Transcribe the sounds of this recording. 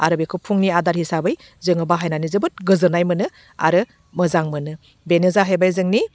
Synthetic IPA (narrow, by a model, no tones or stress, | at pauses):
aɾɯbekʰɯpʰuŋniadaɾhisabɯj | zɯŋɯbaɦajnanizɯbɯt̚ɡɯzɯnajmɯnɯ | a̰ɾɯ | mɯzaŋmɯnɯ | benezaɦajbajzɯŋni